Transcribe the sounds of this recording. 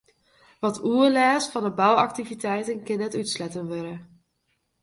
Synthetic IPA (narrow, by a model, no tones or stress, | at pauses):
ʋɑtʰuəlaːsfɑndəbɑwɑktivitɛjtənkɪnətytslɛtənʋøɾə